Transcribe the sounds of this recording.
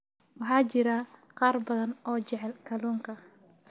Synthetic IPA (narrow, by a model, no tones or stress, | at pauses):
wɑħɑːt͡ʃɪɾaqɑːrbɐðɐnɔːt͡ʃɛʕɛlkʰɐluːŋkʰɐ